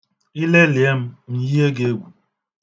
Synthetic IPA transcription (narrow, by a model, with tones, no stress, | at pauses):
i˦le˦lɪ˨e˦m̩˦m̩˨ji˦e˦ɡe˦e˦ɡʷu˨